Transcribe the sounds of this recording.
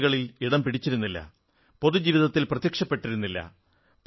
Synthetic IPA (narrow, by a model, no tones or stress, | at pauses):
ɣɐɭiliɽɐmpiɽit͡ɕːiɾunːilːɐ̰ | po̞ðud͡ʑiːʋiðɐt̪ːilprɐt̪jɐkʂɐpːe̞ʈːiɾunːilːɐ̰ | p